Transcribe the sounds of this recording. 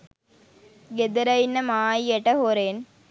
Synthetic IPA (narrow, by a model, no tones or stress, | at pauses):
ɡed̪ɐɾɐjinːəmaːjieʈɐɦoɾeːn